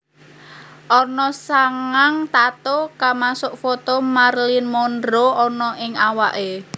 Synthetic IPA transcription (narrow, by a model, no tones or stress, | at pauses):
ʔɔnɔsaŋaŋt̪at̪okamasʊʔfɔt̪ɔmarlinmɔndɾoɔnɔʔɪŋawaʔe